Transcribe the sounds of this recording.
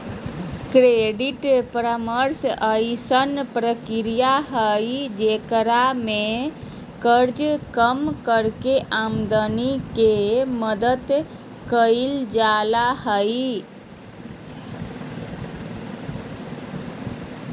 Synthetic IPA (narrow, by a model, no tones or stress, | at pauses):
kɾeɖiʈpɾəməɾsəjsənpɾəkiɾijaɦəjd͡ʒekɾame | kəɾd͡ʒkəmkəɾkeʔamd̪ənikeməd̪əd̪ | kəild͡ʒalahəj